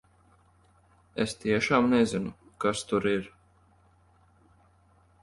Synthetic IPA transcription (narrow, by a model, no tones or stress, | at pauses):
ḛst̪iɛʃaːmnɛzinukast̪uɾiɾ